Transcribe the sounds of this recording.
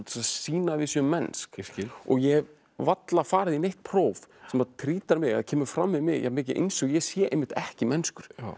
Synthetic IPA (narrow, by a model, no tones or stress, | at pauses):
t̪sasiːnavɪsjœmɛnskɔ̰ɣjɛ | vat̪lafaːɾɪðinejht̪̚pʰɾowvsɛmaðt̪ʰɾiːt̪aɾmɪɣa̰ðcʰɛːmʏɾ̥fɾamːɪðmɪɣjɛ̰hamɪːc̬ɪʔḛjnsɔɣjɛsjɛːʔḛjmɪht̪ɛhcɪmɛnskʏɾ̥